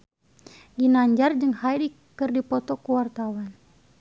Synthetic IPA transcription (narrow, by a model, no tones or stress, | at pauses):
ɡinaɲd͡ʒard͡ʒɨŋhajdi | kɨrdipɔt̪ɔkuwart̪awan